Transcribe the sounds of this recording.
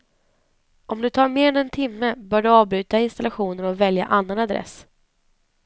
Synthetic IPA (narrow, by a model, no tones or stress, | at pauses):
ʔɔmd̪ɵt̪ʰɑːɾmeːɾɛnɛnt̪ʰɪmːəbœːɖɵɑːvbɾʉ̟ːt̪aɪnst̪alaɧuːnəɾɔvɛlja̰ʔanːanad̪ɾɛ̰s